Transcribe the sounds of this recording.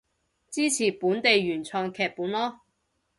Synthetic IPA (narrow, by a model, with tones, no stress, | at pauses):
t͡siː˥t͡sʰiː˨˩puː˨˥nt̪e˨jɥyː˨˩nt͡sʰœː˧ŋkʰɛː˨˧k̚puː˨˥nlɔː˥